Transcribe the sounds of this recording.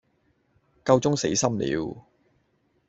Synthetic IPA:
kɐ˧wt͡sʊ˥ŋse˨˥jsɐ˥mlḭː˨˧w

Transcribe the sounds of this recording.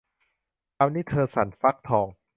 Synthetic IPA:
kaː˧wniː˦˥˩t̪ʰɤː˧sa˩˦nfa˦˥k̚t̪ʰɔː˧ŋ

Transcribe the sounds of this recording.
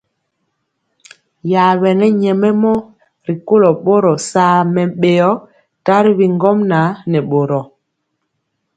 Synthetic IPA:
ja˨wɛ˨nɛ˦ɲɛ˨mɛ˦mɔ˦ | ɾi˨ko˦lo˨ɓo˦ɾɔ˨saː˦mɛ˨ɓe˨ɔ˦ | ta˦ɾi˦βi˨ŋɡɔ˦mna˨˦nɛ˨ɓo˨ɾɔ˨

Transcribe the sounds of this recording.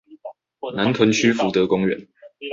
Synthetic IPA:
na˨˦nt̪ʰwə˨˥nt͡ɕʰy˥fu˨˥t̪ɤ˨˦kʊ˥ŋɥɛ̰˨˩˦n

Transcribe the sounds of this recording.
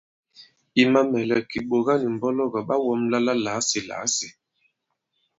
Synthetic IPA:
i˨ma˦mɛ˨lɛ˨ki˨ɓo˨ɣa˦ni˨m̩˨bɔ˦lɔ˦ɡa˨ɓa˦wɔ˦mla˦la˦laː˨˦si˨la̰˨˦si˨

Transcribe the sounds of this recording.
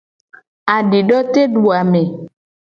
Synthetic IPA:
a˨ɖi˨ɖɔ˦t̪e˦ɖu˨a˨me˨

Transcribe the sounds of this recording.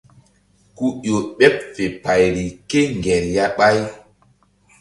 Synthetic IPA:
ku˦ɗo˨ɓɛ˦p̚fe˨pa˨jɾi˨ke˦ŋɡɛ˨ɾja˦ɓa˦j

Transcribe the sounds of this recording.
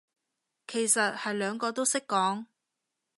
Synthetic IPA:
kʰe˨˩jsɐ˨t̚hɐ˨jlœː˨˧ŋkɔː˧t̪̬o˥wsɪ˥kːɔː˨˥ŋ

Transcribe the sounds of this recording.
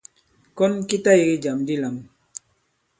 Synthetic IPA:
kɔ˦nki˦ta˦i˨ɡe˦d͡ʒa˨mdi˦la˨m

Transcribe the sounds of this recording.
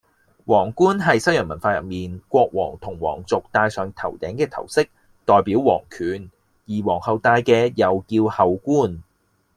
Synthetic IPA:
wɔː˨˩ŋkuː˥nɦɐ˨jsɐ˥jœː˨˩mɐ˨˩nfaː˧jɐ̰˨p̚miː˨˩nkʷɔː˧k̚wɔː˨˩ŋt̪ʰʊ˨˩ŋwɔ̰ː˨˩ŋt͡sʊ˨k̚t̪aː˧jsœː˨ŋt̪ʰɐ˨˩wt̪ɛː˨˥ŋkɛː˧t̪ʰɐ̰˨˩wsɪ˥k̚ | t̪ɔː˨jpiː˨˥wwɔː˨˩ŋkʰyː˨n | jiː˨˩wɔː˨˩ŋhɐ˨˧wt̪aː˧jkɛː˧jɐ˨wkiː˧whɐ˨wkuː˥n

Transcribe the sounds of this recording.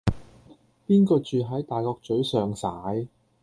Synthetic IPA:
piː˥nkɔː˧t͡ʃyː˨ɦɐ˨˥jt̪aː˨jkɔː˧k̚t͡ʃɵ˨˥ɥsœː˨ŋsaː˨˥j

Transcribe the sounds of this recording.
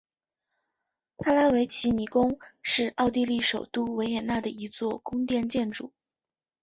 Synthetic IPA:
p̪ʰa˥la˥we˧˥ɪt͡ɕʰi˧˥ni˨˩kʊ˥ŋʂɻ̩˥˧ɑ˥˧ʊt̪̬i˥˧li˥˩ʂo˨˩ʊt̪u˥we˧˥ɪjɛ˨˩na˥˩d̪ə˩i˧˥t͡swɔ˥˩kʊ˥ŋt̪jɛ˥˧nt͡ɕjɛ˥˩nʈ͡ʂṵ˨˩˦

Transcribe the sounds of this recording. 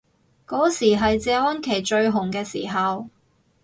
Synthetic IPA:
kɔː˨˥siː˨˩ɦɐ˨jt͡sɛː˨˧ɔː˥nkʰe˨˩jt͡ʃɵ˧ɥɦʊ˨˩ŋkɛː˧sḭː˨˩ɦɐ˨w

